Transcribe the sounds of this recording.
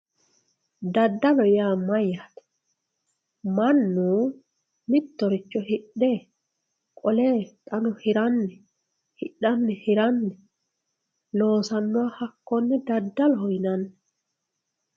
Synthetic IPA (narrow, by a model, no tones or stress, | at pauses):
dadːalɔjamajːatɛ̥ | manːu | nit̪ːɔɾit͡ʃːɔhiɗːɛ | kʼɔlɛtʼanɔhiɾanːɛ | hiɗːanːɛhiɾanːɛ | lɔːsanːɔahakːɔnːɛdadːalɔhɔjnanːɛ